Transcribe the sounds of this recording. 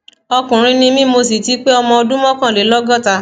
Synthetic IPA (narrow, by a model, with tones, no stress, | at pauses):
ɔ˧kũ˨ɾ̃ĩ˧nĩ˧mĩ˦mo˧s̬i˨ti˨˦k͡pe˦ɔ˧mɔ̃˧ɔ˧dũ˦mɔ̃˦kã˦˨le˨˦lɔ˦ɡɔ˦˨ta˧